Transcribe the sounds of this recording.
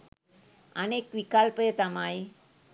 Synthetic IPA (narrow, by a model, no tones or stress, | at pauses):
a̰nekʋikalpəjət̪amaj